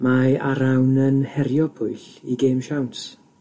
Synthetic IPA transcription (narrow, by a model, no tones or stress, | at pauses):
majaɾawnənhɛɾjɔpʰʊɨɬiɡeːmʃawns